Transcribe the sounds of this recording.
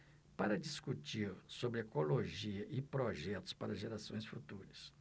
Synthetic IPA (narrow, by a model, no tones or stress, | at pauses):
paɾɐd͡ʒiskut͡ʃiɾsobɾɪekoloʒiɐʔɪpɾoʒɛt̪ʊ̥spaɾɐʒeɾasõj̃sfut̪uɾɐs